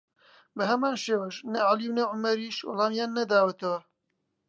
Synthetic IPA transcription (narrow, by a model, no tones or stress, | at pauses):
bəɦɛmaːnʃeːwɐʃnɐʕaliwnɐʕʊmɐɾiːʃwɑ̰lɑːmjaːnːɐd̪aːwɐt̪ɐwɐ